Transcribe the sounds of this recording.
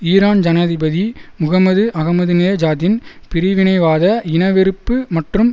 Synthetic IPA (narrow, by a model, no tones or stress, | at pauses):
iːɾaːnd͡ʒɐnaːðɪbɐðimʊɣɐmɐðɯʔɐɣɐmɐðɯnɪlɐd͡ʒaːðɪn | pɪɾɪʋɪnɐɪʋaːðɐɪnɐʋɪɾɯpːɯmɐʈrɯm